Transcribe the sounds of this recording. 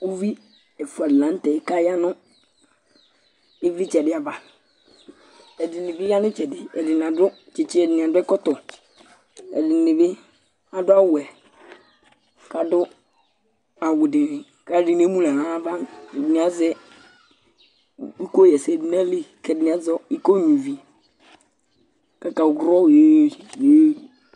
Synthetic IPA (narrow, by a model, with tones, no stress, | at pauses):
u˦vi˦ | ɛ˨fu˨a˨dlã˨˦n˦tɛ˨ɪ˦ka˦ja˦nʊ˦ | ɪ˦vɪ˦t͡ʃɛ˨dɪ˨˦a˨va˨ | ɛ˨dɪ˨nɪ˨vɪ˦ja˦nʊ̃˦t͡ʃɛ˨dɪ˨ɛ̰˨dɪ˨n˨a˨dʊ˦ | t͡ʃɪ˨t͡ʃɪ˦ɛ˨dɪ˨nɪ˨a˨dʊ˦ɛ˦kɔ˦tɔ˨ | ɛ̰˨dɪ˨nɪ˨vɪ˦ | a˨dʊ˦a˦wʊ˨ɛ˨ | ka˨dʊ˦ | a˨wʊ˨dɪ˨nɪ˨ | ka˨˦dɪ˨n˨e˦mũ˦la˨a˦va˦˨ɛ˨dɪ˨nɪ˨˦a˦zɛ˦ | i˦ko˦jɛ˨sɛ˨dɪ˨n˦a˦le˦kɛ˨dɪ˨nɪ˨˦a˦zɔ˦i˦ko˦ɲu˨vi˨ | ka˨ka˨ɡɾɔ˦˨je˦˨e˦˨